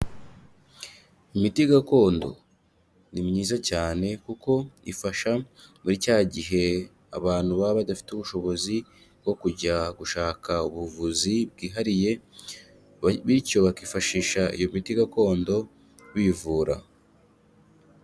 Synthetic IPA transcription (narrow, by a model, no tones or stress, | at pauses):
imitiɡako̞ːndo̞̰ | nimɲiːzacaːne̞kuko̞ḭfaʃamuɾicaːɟiɦe̞ | a̰βaːn̥huβaβadafi̥teuβuʃo̞βo̞zi | ɡo̞kuɟaɡuʃaːkauβuvuzibɡiːɦaɾije̞ | βico̞βakiːfaʃiːʃaḭjo̞mitiɡako̞ːndo̞ | βiːvuːɾa̰